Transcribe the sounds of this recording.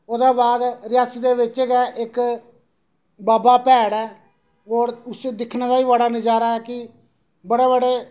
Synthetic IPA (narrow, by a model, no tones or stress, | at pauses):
oːd̪ãːbaːd̪ɾɪjaːsiːd̪eːʋɪt͡ʃeːɡɛːʔɪk | baːbaːpɛːɽɛː | oːɾʊsed̪ɪkʰnẽːd̪aːiːbəɽaːnəd͡ʒaːɾaːɛːkɪ | bəɽeːbəɽeː